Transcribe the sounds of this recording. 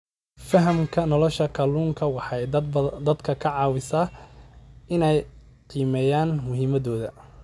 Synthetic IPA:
fɐɦɐmkʰɐnɔlɔʃɐkʰɐluːŋkʰɐwɑħɑjd̪ɐd̪kʰɐkʰɐʕɑːwɪsɐ | ɪnɛj | qiːmɛːjaːnmʊɦiːmɐðɔːðɐ

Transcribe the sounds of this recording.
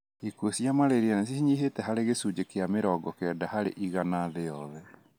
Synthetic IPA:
ikuosjamaɾeɾianas̬ihiɲiɦetɛɦaɾeɣesud͡ʑekeameɾɔɡɔkeɛdahaɾḛʔiɣanaðejɔðɛ

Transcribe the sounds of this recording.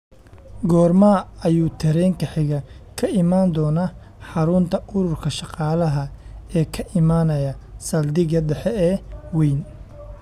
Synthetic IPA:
ɡɔːrmaɐjuːt̪ʰɐɾɛŋkʰɐħɪɣɐkʰɐɪmaːnd̪ɔːnɐ | ħɑɾʊnt̪ʰɐʔʊɾʊrkʰɐʃɑqɑːlɐɦɐɛːkʰɐʔɪmaːnɐjɐsɐld̪ɪɣɐɖɛħɛɛːwɛjn

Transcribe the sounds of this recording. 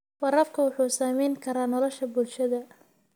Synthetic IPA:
wɐɾɐfkʰɐwʊħuːsaːmɛjŋkʰɐɾaːnɔlɔʃɐbʊlʃɐðɐ

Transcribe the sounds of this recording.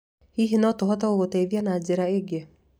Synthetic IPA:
hiɦenɔtoɦɔtaoɣotaiðjanaːd͡ʒeɾaeɡe

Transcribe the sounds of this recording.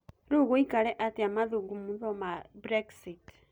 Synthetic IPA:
ɾuɣuikaɾɛʔatiamaðuɡumuðɔmabɾɛksit

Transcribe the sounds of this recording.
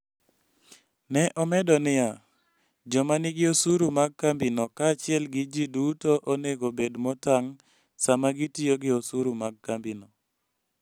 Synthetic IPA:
nɛʔɔmɛdɔnɪja | d͡ʒɔmanɪɡɪosuɾumaɡ̚kambinɔkaːt͡ʃɪɛlɡɪd͡ʒidutoʔoneɡobedmɔtaŋ | samaɡitioɡɪosuɾumaɡ̚kambino

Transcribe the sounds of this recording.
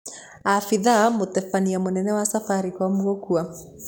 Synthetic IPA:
afiðamotɛfaniamonɛnɛwasafaɾikwamuokua

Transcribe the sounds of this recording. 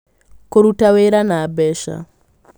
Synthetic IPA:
koɾutaweɾanaːbɛʃa̰

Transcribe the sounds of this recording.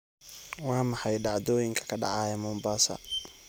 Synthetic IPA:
wɑːmɑħɑjɖɑʕd̪ɔːjɪŋkʰɐ̥kʰɐɖɑ̰ʕɑːjɛmʊmbaːsɐ̰

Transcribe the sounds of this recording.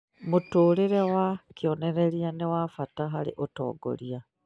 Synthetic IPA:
mutuːɾiɾewakjoneɾeɾianewafataɦaɾḭʔotɔ̰ːɡo̰ɾia

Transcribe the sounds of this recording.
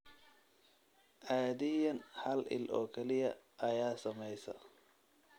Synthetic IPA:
ʔaːðɪjɐnhɐlʔɪ̰lʔɔ̰ːkʰɛlɪjɐʔɐjaːsɐmɛjsɐ̰

